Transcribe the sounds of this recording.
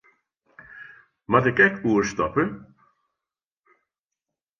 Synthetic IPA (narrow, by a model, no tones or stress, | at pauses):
matɛkɛkʰuəɹstɔpə